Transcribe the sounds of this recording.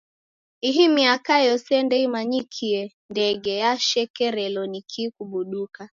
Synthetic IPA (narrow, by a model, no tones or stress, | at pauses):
iɦimiakajɔsɛndɛimaɲikʰiɛ | ndɛɡɛjaʃɛkɛɾɛlɔnikʰikuɓuɗuka